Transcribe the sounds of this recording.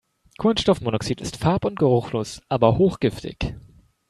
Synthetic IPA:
kʰʊnsʃtɔfmoːnɔksiːtɪstfaɐpʊnt̚ɡ̥əʁ̞ʊxloːsʔaːbɐhoːxɡ̥ɪftʰɪ̰ç

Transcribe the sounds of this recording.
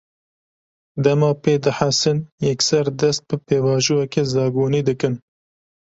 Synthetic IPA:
d̪ɛmɑːpeːd̪ɨħasɨnjɛksɛɾd̪ɛst̪̚bɨpeːvɑːʒuɛkeːzɑːɡuːniːd̪ɨkɨn

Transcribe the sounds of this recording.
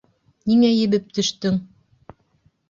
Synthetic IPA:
niŋæjɘ̆βɘp̚t̪ɵ̆ʃt̪ɵŋ

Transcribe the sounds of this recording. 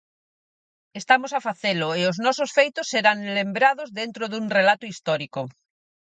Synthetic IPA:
est̪amosafaθelʊeʊznɔsosfejt̪ʊsːeɾaŋlembɾaðozðent̪ɾoðuŋrelat̪ʊist̪ɔɾiko

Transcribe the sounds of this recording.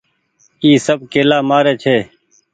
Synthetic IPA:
iːsəb̚keːlaːmaːɾeːt͡ʃʰeː

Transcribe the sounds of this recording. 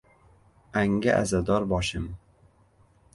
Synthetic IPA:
aŋɡaʔa̰zad̪ɒɾbɒʃɪm

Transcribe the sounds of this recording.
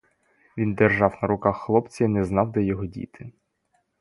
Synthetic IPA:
ʋʲind̪erʒɑwnɐɾʊkaxːlˠɔpt͡sʲɐinɛznɑwd̪ɛjɔɦɔdʲḭt̪ʰɪ

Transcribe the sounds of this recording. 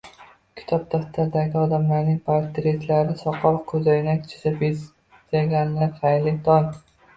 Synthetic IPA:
kʲʰɪ̥t̪ʰɒp̚t̪ʰaft̪ʰaɾd̪aɡʲɪɒd̪amlaɾnɪŋpʰaɾt̪ɾet̪ʰlaɾɪsɒqʰɒlkʰɵzajnakʲt͡ʃʰɪ̥sabe | zaɡʲanlaɾχajlɪt̪ʰɒn

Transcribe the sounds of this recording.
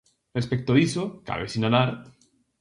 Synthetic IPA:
respek̚t̪oisoka̰βḛsinalaɾ

